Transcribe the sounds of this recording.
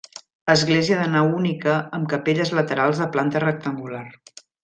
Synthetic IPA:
ləzɣleziəðənawunikəːmkəpeʎəzlət̪əɾalˠzðəplant̪ərək̚t̪əŋɡular

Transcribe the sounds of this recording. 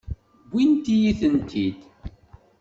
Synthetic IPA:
ɡʷint̪ijiθənt̪ʰid̪

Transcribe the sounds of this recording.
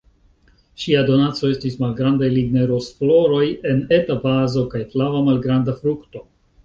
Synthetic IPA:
ʃiado̞nat͡so̞e̞stismalɡɾandajliɡneɾo̞sflo̞ɾo̞je̞ne̞tabazo̞kajflavamalɡɾandafɾukto̞

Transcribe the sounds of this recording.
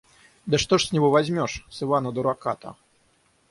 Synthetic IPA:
d̪ɨʂt̪ɔʂsʲnʲiɣɔvazʲmʲɔʂsɨvanɐd̪uɾakat̪ɐ̰

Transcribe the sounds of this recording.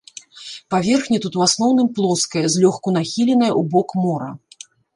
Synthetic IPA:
pavʲɛrxnʲit̪ut̪uwasnɔwnɨmplˠɔskɐjɐzʲlʲɔxkun̪axʲilʲɛn̪ɐjɐʔubɔkmɔɾɐ̰

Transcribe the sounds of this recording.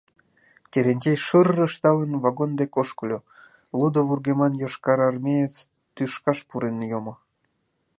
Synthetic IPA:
t̪ʲeɾenʲt͡ɕejʃərːə̆ʃt̪ɑlənvɑɣond̪ekoʃklʲo | lud̪oβurɣemɑnjoʃkɑɾɑrmʲejet͡s | t̪yʃkɑʃpuɾenjomo

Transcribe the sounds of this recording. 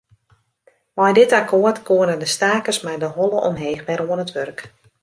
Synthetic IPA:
mɔjdɪtakʰoərtkʰoənədəstaːkəsmɛjdəɦɔlˠəʔɔ̰mɦeːxbɛɾoənətʋørk

